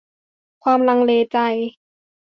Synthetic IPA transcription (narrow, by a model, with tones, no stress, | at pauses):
kʰwaː˧mla˧ŋleː˧t͡ɕa˧j